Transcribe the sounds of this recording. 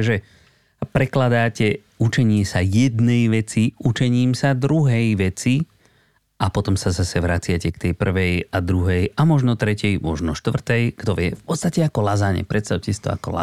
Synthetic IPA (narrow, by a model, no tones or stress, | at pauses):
ʒɛ | pɾɛklad̪aːcɛ | ut͡ʃɛɲɪɛsajɛd̪nɛjʋɛt͡siut͡ʃɛɲiːmsad̪ɾuɦɛjʋɛt͡si | ʔapɔt̪ɔmsazasɛʋɾat͡sɪacɛkt̪ɛjpr̩ʋɛjad̪ɾuɦɛjamɔʒnɔt̪ɾɛcɛjmɔʒnɔʃt̪ʋr̩t̪ɛjɡ̥t̪ɔʋɪɛfpɔtt͡sst̪acɛakɔlazaːɲɛ̰pɾɛt̪st̪aʊcɛsi̥t̪ɔ̰a̰kɔla̰